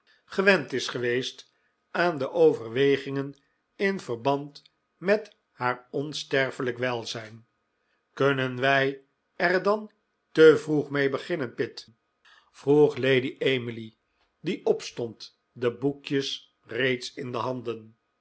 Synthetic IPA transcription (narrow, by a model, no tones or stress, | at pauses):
χəʋɛntɪsχəʋejst | aːndəʔowvəɹʋejχɪŋən | ɪnvəɹbɑnt | mɛt | haːɹɔnstɛɹfələkʋɛlˠzɛjn | kønənʋɛj | ɛɹdɑn | təvruχmejbəχɪnənpɪt | v̥ruχlejdiʔeməli | diʔɔpstɔnt | dəbukjəs | rejtsɪndəɦɑndən